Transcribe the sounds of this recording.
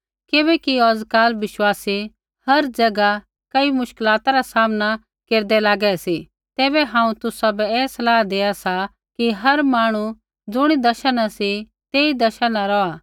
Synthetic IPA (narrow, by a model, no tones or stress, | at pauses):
kɪbɛkiɔːd͡zkaːlʋɪʃwaːsi | hɐɾd͡ʒɐɡa | kɐimʊʃkəlaːt̪aɾasaːmna | keːɾd̪ɛlaːɡɛsi | t̪ɛːbɛɦãːũt̪ʊsabɛɛːsɐlaːɦd̪eːasa | kiɦɐɾmaːɽ̃u | d͡zʊɽ̃id̪ɐʃənasi | t̪eːid̪ɐʃanãɾɔaː